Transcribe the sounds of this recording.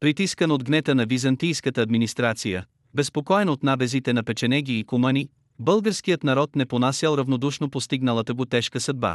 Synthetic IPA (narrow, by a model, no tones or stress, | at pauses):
pɾit̪iskənod̪ɡnɛt̪ənɐvizɐnt̪ijskət̪əːd̪minist̪ɾat̪sijə | bɛspokɔɛnot̪nabɛzit̪ɛnɐpɛt͡ʃɛnɛɡʲiːkʊməni | bəlˠɡəɾsk̟ijət̪nɐɾɔt̪nɛponasʲəlˠɾɐvnod̪uʃnopost̪iɡnəlˠət̪əɡʊt̪ɛʃkəsɐd̪̚ba̰